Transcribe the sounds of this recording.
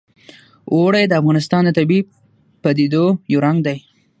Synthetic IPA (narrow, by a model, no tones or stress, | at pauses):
ʔoɽajd̪əafɣɑnɪs̬t̪ɑnd̪ət̪abi | pad̪ed̪ojawɾaŋɡd̪aj